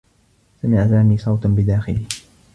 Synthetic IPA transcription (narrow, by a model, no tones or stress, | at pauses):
samɪʕat̪aʕniːsˤɑwt̪bɪd̪aːxɪliː